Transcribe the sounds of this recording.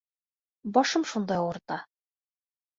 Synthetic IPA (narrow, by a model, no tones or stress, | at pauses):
bɒʃɤmʃund̪ɑjŭɾt̪ɑ